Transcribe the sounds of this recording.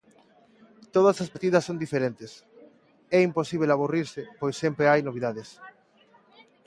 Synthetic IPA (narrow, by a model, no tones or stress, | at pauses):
t̪oðɐsaspat̪iðɐsːond̪ifeɾent̪es | ɛimposiβ̞elaβuriɾsɪpojsːɛmpɾeajnoβ̞iðaðes